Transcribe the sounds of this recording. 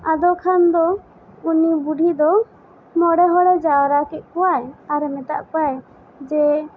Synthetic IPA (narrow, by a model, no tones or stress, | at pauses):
ad̪ɔkʰand̪ɔ | unibuɖʱid̪ɔ | mɔɽɛɦɔɽɛd͡ʒawɾakɛt̪̚ˀkɔwajaɾɛmɛt̪a̰ʔkaj | d͡ʒɛ